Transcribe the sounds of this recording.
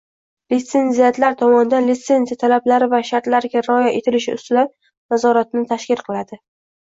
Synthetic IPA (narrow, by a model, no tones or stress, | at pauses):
lɪt̪se̞nzijat̪laɾt̪ʰɒmɒnɪd̪anlit̪se̞nzijat̪ʰalablaɾɪvaʃaɾt̪laɾɡʲaɾɒjaʔet̪ʰɪlɪʃɪʊ̰st̪ɪd̪an | nazɒɾat̪nɪt̪ʰaʃkʲɪlˠqʰɨlˠad̪ɪ